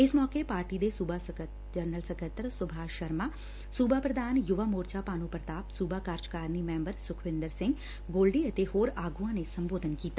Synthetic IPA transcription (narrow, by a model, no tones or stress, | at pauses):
ɪsmɔːkeːpaːɾʈiːd̪eːsʊbʱa | d͡ʒəɾnəlsəkət̪ɾsʊbʱaːʃəɾmaː | suːbʱaːpɾəd̪aːnjʊʋaːmoːɾt͡ʃaːpaːnũːpɾət̪aːpsuːbaːkaːɾt͡ʃkaːɾniːmɛ̃ːmbəɾsʊkʰʋɪ̃nd̪əɾsɪŋɡ | ɡoːlɖiːət̪eːhoːɾaːɡuãːneːsəmboːd̪ənkiːt̪aː